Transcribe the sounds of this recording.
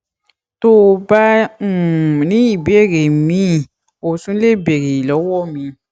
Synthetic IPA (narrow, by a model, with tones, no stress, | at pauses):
to˦˧ba˦u˦˨nĩ˦i˦˨be˦˨ɾe˨mĩ˦ | o˨sũ˦le˦˨be˨ɾe˨i˨lɔ˨˦wɔ˦˨mĩ˧